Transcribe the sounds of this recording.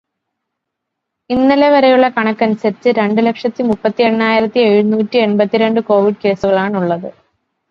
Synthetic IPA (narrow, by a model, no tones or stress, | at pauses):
inːileʋɐɾejuɭːɐkɐɳɐkːɐnusɐɾit͡ɕːɨɾe̞ɳɖɨle̞kʂɐt̪ːimupːɐt̪ːie̞ɳːaːjiɾɐt̪ːieɻunuːtːie̞ɳbɐt̪ːiɾe̞ɳɖɨko̞ːʋiɖ̚ke̞ːsuɣɐɭaːɳuɭːɐðɨ